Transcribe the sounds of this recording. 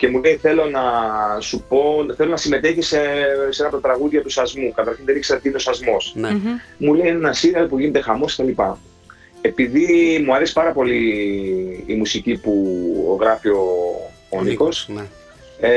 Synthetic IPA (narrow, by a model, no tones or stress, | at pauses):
ce̞mulejθe̞lo̞nɐsupo̞θe̞lonɐsime̞t̪e̞çisese̞nɐpot̪ɐt̪ɾɐɣuðʝɐt̪usɐzmukɐt̪ɐɾçinðe̞nikse̞ɾɐt̪iineo̞sɐzmo̞s | mulejnenɐsiɾɐɾpuʝine̞t̪e̞xɐmo̞sket̪ɐlipɐ | e̞piðimuɐɾe̞si̥pɐɾɐpo̞liː | musicipuo̰ɣɾɐfio̞ | niko̞s | e